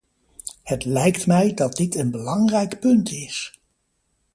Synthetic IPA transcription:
hətlɛjktmɛjdɑd̚dɪtənbəlɑŋrɛjkpɵntɪs

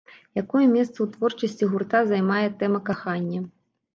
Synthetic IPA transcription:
jakɔjɛmʲɛst̪sɐwt̪vɔrt͡ʂɐsʲt͡sʲiɣurt̪azajmajɛt̪ɛmɐkaxanʲːɐ

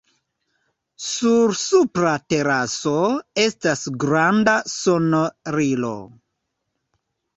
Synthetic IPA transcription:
suɾsupɾate̞ɾaso̞e̞stasɡɾandasonɾilo̞̰

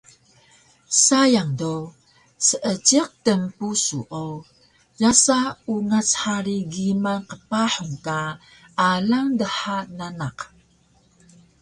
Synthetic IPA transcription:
sajaŋdo | səʔət͡ʃiq̚təmpusṵʔow | jasauŋat͡sħaɾiɡimanqəpaħuŋkaː | laŋdəħananaq

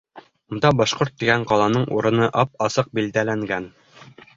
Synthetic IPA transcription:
und̪ɑbɑʃqoɾt̪ːiɡæɴqɑlˠɑnɤɴṵɾɤ̆nɤʔɑp̚ɑsɤq̚bild̪ælæŋɡæn

